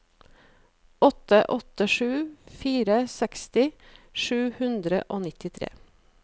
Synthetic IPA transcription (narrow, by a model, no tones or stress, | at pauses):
ɔt̪əʔɔt̪əʂʉːfiːɾəsɛkst̪ɪʃʉːhʉnd̪ɾə̰ʔoːnɪt̪ɪt̪ʰɾḛː